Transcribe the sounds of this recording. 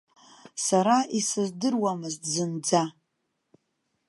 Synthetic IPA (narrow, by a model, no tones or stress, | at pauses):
saɾaʔisɨzdɨrwamɨztʰzɨnd͡za